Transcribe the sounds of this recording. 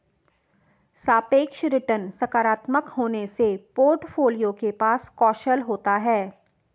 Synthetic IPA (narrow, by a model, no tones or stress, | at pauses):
saːpeːkʃɾɪʈənsɐkaːɾaːt̪məkɦoːnesepoːɾʈfʰoːlijõkepaːskɔːʃəlɦoːt̪aɦɛː